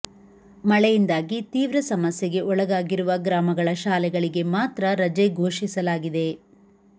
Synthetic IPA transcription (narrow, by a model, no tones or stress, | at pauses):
mɐɭɛjind̪aːɡit̪iːʋɾɐsɐmɐsjɛɡe̞ʔɔɭɐɡaːɡiɾuʋɐɡɾaːmɐɡɐɭɐʃaːlɛɡɐɭiɡe̞maːt̪ɾɐɾɐd͡ʒeɡʱoːʂisɐlaːɡid̪e̞